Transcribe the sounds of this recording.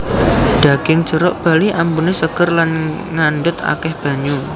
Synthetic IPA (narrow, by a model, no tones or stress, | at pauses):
ɖ̥a̤ɡ̥ɪŋ̥d͡ʒəɾɔʔb̥a̤liʔampunesəɡ̥ərlan | ŋanɖʊt̪a̰kɛhb̥a̤ɲu